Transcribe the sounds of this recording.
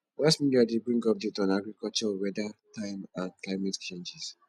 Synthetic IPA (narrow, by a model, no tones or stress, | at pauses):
lasmĩliadebɹĩŋɡɔp̚detãnaɡɹikɔlt͡ʃɔwɛdatʰãɪmãnklaɪmɛtt͡ʃẽnd͡ʒɛs